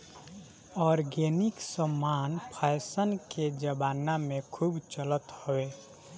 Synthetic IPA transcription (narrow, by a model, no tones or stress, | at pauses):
ɔːɾɡeːnɪksəmːaːnpʰaːɪsənked͡ʒəbaːnamẽkʰuːbt͡ʃələt̪howeː